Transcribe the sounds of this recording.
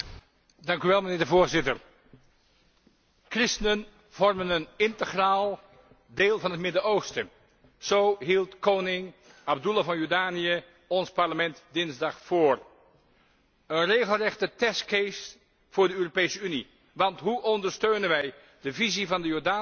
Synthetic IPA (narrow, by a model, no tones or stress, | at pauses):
dɑŋkyʋɛlˠmənɪːɹdəvʊːɹzɪtəɹ | krɪstənən | v̥ɔɹmənənɪntəχraːlˠ | deːlˠvɑnɦətmɪdəowstə | z̥owɦilˠtkownɪŋ | ab̚dulavɑnjɔɹdaːnijə | ɔnspɑɹləmɛntdɪnzdɑχfoːr | ənrejχəlˠrɛχtətɛskejs | fʊːɹdəøːropejsəyni | ʋɑntɦuʔɔndəɹstøɥnənʋɛj | dəvizivɑndəjɔɹdaː